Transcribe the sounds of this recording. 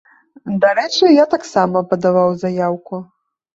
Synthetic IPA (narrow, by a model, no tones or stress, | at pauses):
d̪aɾɛt͡ʂɨjat̪aksamɐpɐd̪avawzajawku